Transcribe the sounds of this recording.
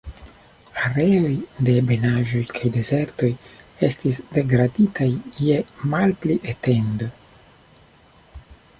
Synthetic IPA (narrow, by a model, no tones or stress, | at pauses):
aɾe̞o̞jde̞be̞naʒo̞jkʰajde̞ze̞ɾto̞je̞stisde̞ɡɾaditajːemalpliʔete̞ndo